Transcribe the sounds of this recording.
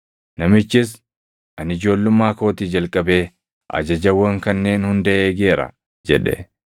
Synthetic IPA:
nɐmɪt͡ʃːɪs̬ | ʔɐnɪd͡ʒo̞ːlːʊmːaːko̞ːt̪iːd͡ʒɐlkʼɐbe̞ː | ʔɐ̰d͡ʒɐd͡ʒɐwːɐŋkɐnːe̞ːnhʊnd̪ɐʔeːɡe̞ːɾɐ̰ | d͡ʒɛ̰ᶑɛ̰

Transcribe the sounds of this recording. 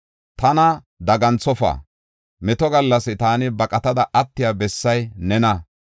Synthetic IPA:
t̪ɐnɐ | d̪ɐɡɐnt͡sːɔfa̰ː | mɛt̪ɔɡɐlːɐsɪt̪aːnɪbɐkʼɐt̪ɐd̪ɐʔɐt̪ːɪjabɛsːɐjnɛnɐ

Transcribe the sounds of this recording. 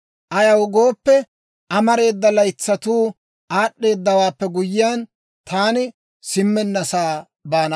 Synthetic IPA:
ʔɐjɐwɡo̞ːpːɛ | ʔɐmɐɾe̞ːd̪ːɐlɐjt͡sːɐt̪uː | ʔaːɗːe̞ːd̪ːɐwaːpːɛɡʊjɪjaːn | t̪ʰaːnɪ | sɪmːɛnːɐsaː | baːnɐ

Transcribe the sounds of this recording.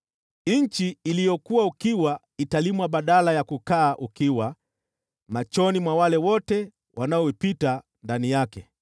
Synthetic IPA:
ɲ̩t͡ʃiːlijɔkuwaukiwa | italimwaɓaɗalajakukaːʔukiwa | mat͡ʃɔnimwawalɛwɔtɛ | wʔanaɔipita | ndanijakɛ

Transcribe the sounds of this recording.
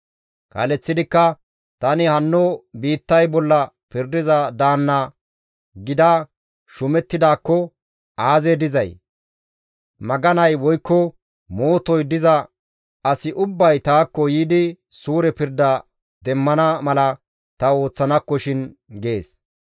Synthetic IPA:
kɐ̰lɛt͡sːɪd̪ɪkːɐ | t̪ɐnɪhɐnːɔbiːt̪ːɐjbɔlːɐ | pɪɾd̪ɪzɐd̪aːnːɐ | ɡɪd̪ɐ | ʃʊmɛt̪ːɪd̪aːkːɔ | aːzed̪ɪzɐj | mɐɡɐnɐjwɔjkːɔ | mo̞ːt̪ɔjd̪ɪzɐ | ɐsɪʔʊbːɐjt̪aːkːɔjiːd̪ɪ | suːɾɛpɪɾd̪ɐ | d̪̥ɛmːɐnɐmɐlɐ | t̪ɐo̞ːt͡sːɐnɐkːɔʃɪnɡe̞ːs

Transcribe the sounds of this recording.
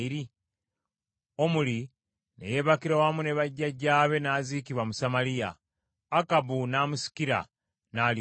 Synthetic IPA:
iɾi | o̞muli | nḛje̞ːβakiɾowamune̞βaɟːaɟːaːβe̞naːziːkiβwamusamalija̰ː | kabunaːmusi̥kiɾa̰ | naːl

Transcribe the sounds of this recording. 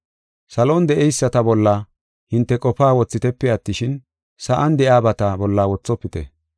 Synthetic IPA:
sɐlond̪ɛʔɛjsːɐt̪ɐbɔlːɐ | hɪnt̪ːɛkʼɔpaːwɔt͡sːɪt̪ɛpːɛɐt̪ːɪʃɪn | sɐʔɐnd̪ɛʔaːbɐt̪ɐbɔlːaːwɔt͡sːɔpːɪt̪ɛ̰

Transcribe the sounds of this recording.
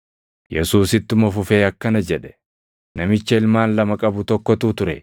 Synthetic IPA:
jɛsuːsɪt̪ːʊmɐfʊfeːɐkːɐnɐd͡ʒɛᶑɛ̥ | nɐmɪt͡ʃːɐɪlmaːnlɐmɐkʼɐbʊt̪ɔkːɔt̪uːt̪ʊɾɛ

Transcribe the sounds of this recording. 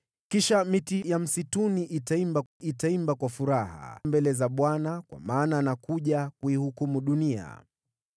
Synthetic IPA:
kiʃamitijam̩situniʔitaimbaitaimbakwafuɾaha̰mbɛlɛzaɓwanakwa̰maːnanakuʄakuihukumuɗunia̰

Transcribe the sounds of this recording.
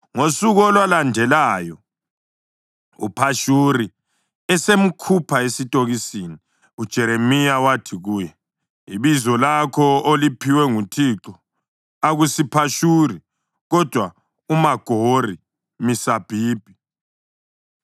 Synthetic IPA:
ŋosuɣɔlwalandʱɛlaːjɔ | ṵpʰaʃuɾi | ɛsem̩kʰupʰaesitʼoɣisini | ud̥ʒ̥ʱɛɾemijawatʰiɣuːjɛ | iβizɔlakʰɔolipʰiwɛŋutʰiǁɔ | aɣusipʰaʃuri | ɣɔd̥ʱwa | umaɡ̥ʱori | misab̥ʱiːb̥ʱi

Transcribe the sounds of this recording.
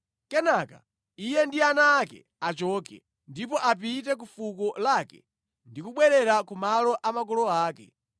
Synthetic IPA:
kɛnaka̰ | ijɛndianaːkɛ̰ | at͡ʃɔːkɛ̰ | ndipɔʔap̬it̬ɛk̬ufukɔlakɛ̰ | ndikuɓwɛɾɛɾakumalɔʔamakɔlɔaːkɛ̰

